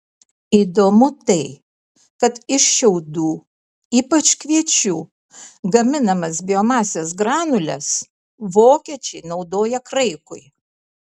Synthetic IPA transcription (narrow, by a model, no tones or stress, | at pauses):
iːd̪oːmʊt̪ɐɪ | kɐt̪ɪʃʃʲɛʊd̪uː | iːpɐt͡ʃkʋʲiɛt͡ʃʲuː | ɡɐmʲɪnɐmɐs̬bʲɪoːmɑːsʲeːsɡɾɑːnʊlʲɛs | ʋoːkʲiɛt͡ʃʲɛɪnɒʊd̪oːjɛkɾɐɪkʊɪ